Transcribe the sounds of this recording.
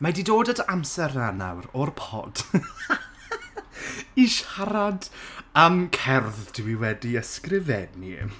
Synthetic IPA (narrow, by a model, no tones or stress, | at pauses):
madidoːdədamsɛrnana̰wɾɔrpʰɔ̰d̥ | iʃaɾadamkʰɛrðtʰiwiwɛdiəskrɪvɛnḭ